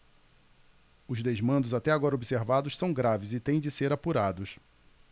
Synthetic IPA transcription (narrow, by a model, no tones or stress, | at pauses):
ʊzd̪ezmɐ̃nd̪ʊzat̪ɛaɡɔɾɐobiseɾvad̪ʊʃsɐ̃w̃ɡɾavɪzɪt̪ẽj̃d͡ʒɪseɾapuɾad̪ʊs